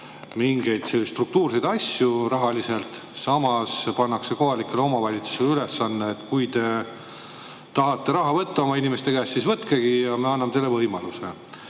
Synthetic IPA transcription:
miŋɡe̞jd̪̥selsːt̪ruk̚t̪uːrsed̪ɑsjurɑɦɑlise̞lt̪ | sɑmɑspɑnːɑkse̞ko̞ɦɑlikːˑe̞leo̞mɑvɑlʲit̪su̥selylesːɑnːeːt̪ːkujt̪e̞ | t̪ɑɦɑt̪ːˑe̞ɾɑɦɑvɤt̪ːɑo̞mɑinimest̪e̞kæːssisvɤt̪keɡ̥ijɑmeɑnːɑmt̪ejle̞vɤjmɑluse

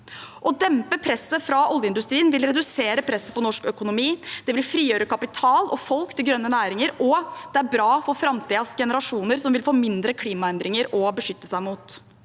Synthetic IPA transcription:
ʔɔd̪ɛmpəpʰɾɛsːəfɾɑɔljəɪnd̪ʉst̪ɾiːənʋɪlɾɛd̪ʉseːɾəpʰɾɛsːə̥pɔnɔʂkœkʊnʊmiːd̪̥ɛʋɪlfɾiːjøːɾəkʰɑpɪt̪ʰɑːlɔfɔlkt̪ʰɪlɡɾœnːənæːɾɪŋəɾɔd̪̥ɛæɾbɾɑːfɔɾfɾɑmt̪ʰiːɑsɡɛnəɾɑʂuːnəɾsɔmʋɪlfoːmɪnd̪ɾəkʰliːmɑɛnd̪ɾɪŋəɾɔbəʂʏt̪ːəsæɪmuːt̪

